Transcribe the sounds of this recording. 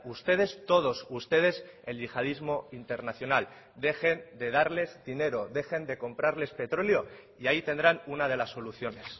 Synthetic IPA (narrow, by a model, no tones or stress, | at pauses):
ust̪e̞ð̞e̞st̪o̞ð̞o̞sust̪e̞ð̞e̞se̞lʝixað̞izmo̞int̪e̞ɾnaθjo̞nal | d̪e̞xe̞nd̪e̞ðaɾle̞zd̪ine̞ɾo̞ðe̞xe̞nd̪e̞ko̞mpɾaɾle̞spe̞t̪ɾo̞ljo̞ | iait̪e̞nd̪ɾanunaðe̞lasːo̞luθjo̞ne̞s